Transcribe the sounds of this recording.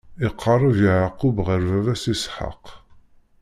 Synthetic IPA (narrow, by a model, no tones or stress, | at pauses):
ɪqʰːɑrˤːəvjiʕəqːʊbʁəɾvævæsisħə̰q